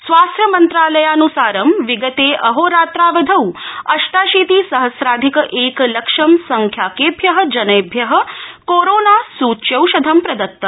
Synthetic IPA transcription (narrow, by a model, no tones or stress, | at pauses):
sʋaːst̪ʰjəmənt̪ɾaːləjanusaːɾəmʋiɡət̪eʔɐɦoɾaːt̪ɾaʋəd̪ʱəuɐʃʈaːʃit̪isəɦəsɾaːd̪ʱikʔekləkʂəmsəŋkʰjaːkebʱjəɦəd͡ʒɐnebʱjɐɦə̆koɾonasuːtːʃjəwʃɐd̪ʱɐmpɾɐd̪ɐt̪ːə